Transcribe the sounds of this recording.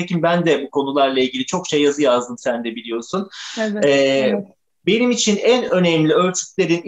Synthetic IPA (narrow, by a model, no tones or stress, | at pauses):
ecimbænd̪ɛbukʰo̞nulˠaɾlˠailʲɟilʲit͡ʃʰo̞kʃe̞jːazɯjazd̪ɯmsænd̪ɛbilʲijo̞sunɛ | be̞nimit͡ʃʰinænø̞nɛmlʲiø̞ɾt͡ʃ̪ʰy̥cʲlʲe̞ɾin